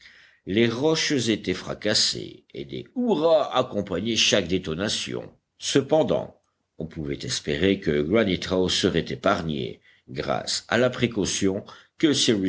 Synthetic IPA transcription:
leʁɔʃzet̪ɛfχa̰kasḛed̪ḛuʁaakɔ̃paɲeʃak̚d̪et̪ɔnasjɔ̰̃ | səpɑ̃d̪ɑ̰̃ | ɔ̃puvɛt̪ɛspeʁekəɡɹanit̪awsəʁɛt̪epaʁɲḛ | ɡʁa̰sa̰lapχekɔsjɔ̃kəsiwi

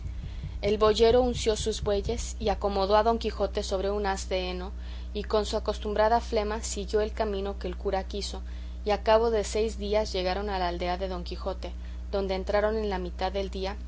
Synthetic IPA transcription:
e̞lβo̞ʝe̞ɾo̞unsjo̞suzβwe̞ʝe̞s | iako̞mo̞ðo̞aðo̞ŋkixo̞t̪e̞so̞β̞ɾe̞unasd̪eeno̞ | iko̞nsuako̞st̪umbɾaðafle̞masiɣjo̞e̞lkamĩno̞ke̞ːlkuɾakiso̞ | iakaβo̞ðe̞se̞jzðiazʝe̞ɣaɾo̞nalaːld̪e̞aðe̞ðo̞ŋkixo̞t̪e̞ | ðo̞nd̪eːnt̪ɾaɾo̞ne̞nlamit̪aðːe̞ld̪ia

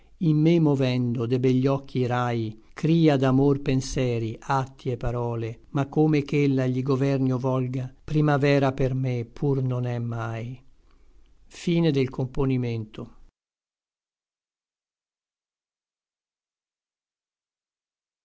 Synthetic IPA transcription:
imːemovɛnd̪od̪ebɛʎːɔkʰːiɾajkɾiːad̪amorpensɛːɾiat̪ːiepːaɾɔːlemakːomekelːaʎiɡovɛrnjovɔlɡapɾimavɛːɾapermepʰurnonɛmːaj | fiːned̪elkomponiment̪o

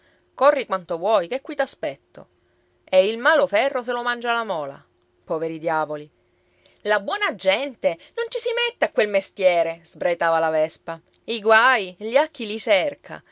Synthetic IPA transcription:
korːikwant̪ovwɔjkekːwit̪aspɛt̪ːo̰ | eilmaːlofɛrːos̬elomand͡ʒalamɔːla̰ | pɔːveɾid̪jaːvoli | labwɔːnad͡ʒɛnt̪enont͡ʃisimet̪ːeakːwelmest̪jɛːɾez̥bɾajt̪aːvalavɛspa | iɡwajʎakːilit͡ʃɛrkʰa̰

